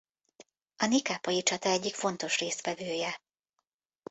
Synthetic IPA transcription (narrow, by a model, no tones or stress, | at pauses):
ɒnikaːpɒjit͡ʃɒt̪ɒɛɟːikfo̞nt̪o̞ʃreːst̪ʋɛvøːjɛ